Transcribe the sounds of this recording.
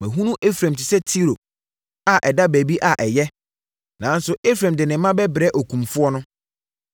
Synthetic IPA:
mɛ̃˨ɦũ˦nũ˦ʔe˦fɾæ̃˨m˨tʰɪ˨sɛ˦tʰi˦ɾo˨ | a˨ʔɛ˨da˦bæ˨bi˦ʔa˨ʔɛ˨jɛ˦ | nã˨˦n˦sʊ˨ʔe˦fɾɛ̃˨mdɪ˨nɪ̃˨mːã˦bɛ˦bɾɛ˦ʔɔ˨kʰũ˨mfʊ˦ɔ˦nʊ̃˦

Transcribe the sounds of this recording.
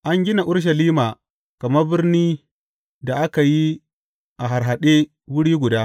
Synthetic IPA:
ʔa˦ŋɡʲɪ˦na˨ʔʊ˦rʃ̬ɐ˨liː˦maː˨ | kɐ˨mɐ˦bɪ˦rniː˦ | da˨ʔa˦ka˨ji˦ | ʔa˨ɦa˨ɾɦa˨ɗeː˦ | wʊ˦ɽiː˦ɡʷʊ˨daː˦

